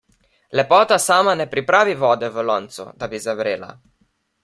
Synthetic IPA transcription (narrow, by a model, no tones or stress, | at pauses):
lɛpɔːt̪asaːmanɛpɾipɾaːʋivɔːd̪ɛvəlɔnt̪sṵd̪abizavɾeːla̰